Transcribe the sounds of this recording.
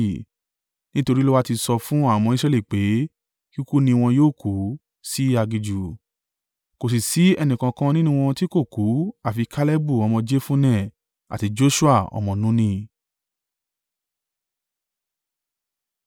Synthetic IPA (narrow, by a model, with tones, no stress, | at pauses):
nĩ˦to˧ɾi˦lo˦wa˦ti˧sɔ˧fũ˦a˦˨m̃ɔ̃˧i˦s̬ɾɛ˧li˦˨k͡pe˨˦ | ki˦ku˦nĩ˧w̃ɔ̃˧joː˦˨ku˨˦ | si˦a˧ɡi˧d͡ʒu˨ | ko˨s̬i˨si˨˦ɛ˧nĩ˨kã˧kã˧˦nĩ˦nũ˧w̃ɔ̃˧ti˦ko˦˨ku˨˦a˦˨fi˧kʰa˦lɛ˦bu˦˨ɔ˧mɔ̃˧d͡ʒe˦fũ˦nɛ̃˦˨ | a̰˨ti˨˧d͡ʒo˦ʃu˦a˦˨ɔ̰˧mɔ̃˧nũ˨˦nĩ˧